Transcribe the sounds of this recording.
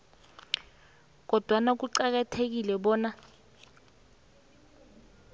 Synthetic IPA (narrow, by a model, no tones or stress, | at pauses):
k̬ɔd̥ʱwanak̬uǀak̬atʰek̬ilɛɓɔːna